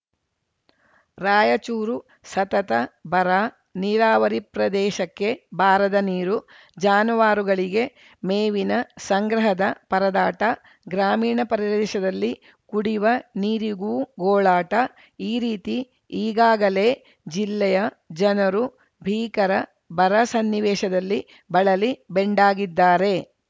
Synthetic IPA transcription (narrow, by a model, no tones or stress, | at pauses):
ɾaːjɐt͡ʃuːɾu | sɐt̪ɐt̪ɐbʱɐɾa | niɾaːʋɐɾipɾɐd̪ɛːʃɐkːe̞bʱaːɾɐd̪ɐniːɾu | d͡ʒaːnuʋaːɾuɡɐɭiɡe̞ | meːʋinɐsɐŋɡɾɐɦɐd̪ɐpɐɾɐd̪aːʈɐ | ɡɾaːmiːɳɐpɐɾiɾɐd̪ʃɐd̪ɐlːi | kuɽiʋɐniːɾiɡuːɡoːɭaːʈɐ | iːɾiːt̪i | iːɡaːɡɐle̞ː | d͡ʒilːɛjɐ | d͡ʒɐnɐɾu | bʱiːkɐɾɐ | bɐɾɐsɐnːiʋɛːʃɐd̪ɐlːi | bɐɭɐlibeɳɖaːɡid̪ːaːɾe̞